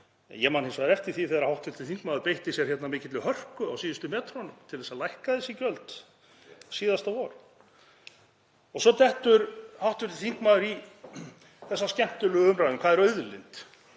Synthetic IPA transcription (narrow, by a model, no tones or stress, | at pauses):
ɛ̰jɛmanhensvaðɪɾɛft̪ɪ̥θiθɛːðɾahawht̪ʏɾ̥t̪ʰɪlθiŋkmaːðʏɾpejht̪ɪsjɛɾ̥çɛt̪namɪːcɪt̪lɪhœr̥kʏawsiːðɪst̪ʏmɛːt̪ʰɾɔnʏmt̪ʰɪlθɛsalajhkaðɛsicœlt̪ | siːðast̪avɔɾ | ɔɣsɔt̪ɛht̪ʏɾhawht̪ʏ̥t̪ɪlθiŋkmaːðʏɾi | θɛsːascɛm̥t̪ʏlʏɣʏmɾajðʏmkʰvaːðɛɾœɥðʏlɪ̰nt̪